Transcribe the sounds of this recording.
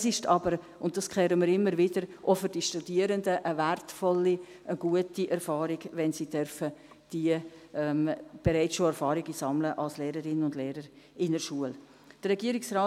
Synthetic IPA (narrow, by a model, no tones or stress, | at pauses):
sɪʃtʰɑbəɾ | ʊnt̚d̥ɑskʰχlɛːɾəmiːɾɪmːəɾʋɪd̥əɾʔofʏɾd̥iʃtud̥iəɾəndəʔəværtfɔlːiʔəɡ̥uətiʔɛɾfɑːɾiɡʋɛnsid̥œɾfə | d̥iəɛmb̥eɾaɪt͡sʃoɛɾfɑːɾɪɡisɑmləʔɑlsleːɾəɾɪnənʊndleːɾəɾ | ɪnəʃuəl | d̥ərɛɡiəɾɪksraː